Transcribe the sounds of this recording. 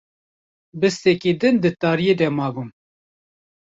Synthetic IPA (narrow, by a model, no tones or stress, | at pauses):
bɨst̪ɛkiːd̪ɨnd̪ɨt̪ɑːɾijed̪ɛmɑːbum